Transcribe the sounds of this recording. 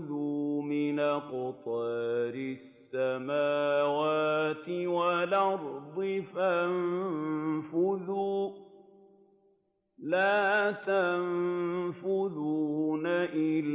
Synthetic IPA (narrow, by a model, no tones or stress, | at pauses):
luːmɪnaqʊt̪ˤɑːɾɪsːamaːwaːt̪ɪwalɑɾˤd̪ˤɪfam | fʊðuː | laːt̪amfʊðuːnaʔɪl